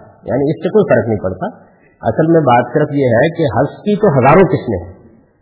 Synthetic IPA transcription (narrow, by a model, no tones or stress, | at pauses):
jʔa̰ːnĩɪsːekoifɐɾəknɐɦĩpɐɽt̪a | ɐ̰səlmẽbaːt̪kəɾəfjeɦɛkeɦɐskit̪oɦɐzaːɾõkɪsmḛ̃ɦɛ̃